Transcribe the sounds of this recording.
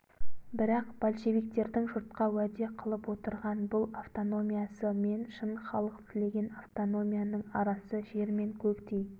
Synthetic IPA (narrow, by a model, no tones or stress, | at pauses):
bɪɾɑqb̥olʃe̞vijk̚t̪e̞ɾd̪ɪŋʒʊɾt̪̚qɑwæd̪e̞qʰəlˠəpwo̞t̪əɾʁɑnbʊlˠaft̪o̞no̞mʲijasəme̞nʃənχɑlˠəq̚pt̪ʰɪle̞ɡʲe̞naft̪o̞no̞mʲijanəɴɑɾɑsəʒe̞ɾme̞ŋkʲʰɵkt̪ej